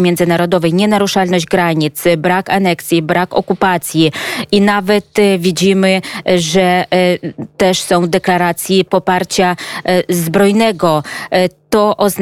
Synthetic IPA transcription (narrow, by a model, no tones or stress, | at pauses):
mʲjɛndzɘnaɾɔd̪ɔvɛjɲɛnaɾuʂalnɔʑd͡ʑɡɾaɲit̪sbɾakanɛksʲjibɾakɔkupat̪sʲjiinavɛt̪vʲid͡ʑimɘʐɛ | t̪ɛʂsɔ̃w̃d̪ɛklaɾat̪sʲjipɔpaɾt͡ɕazbɾɔjnɛɡɔt̪ɔʔɔzn